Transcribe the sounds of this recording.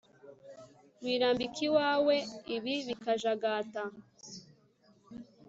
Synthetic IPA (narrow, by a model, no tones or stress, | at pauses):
wiːɾaːmbikʰiwaːweiβiβikaʒaɡaːta